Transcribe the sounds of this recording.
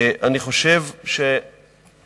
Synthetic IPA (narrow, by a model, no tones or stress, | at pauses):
ʔaniχo̞ʃevʃe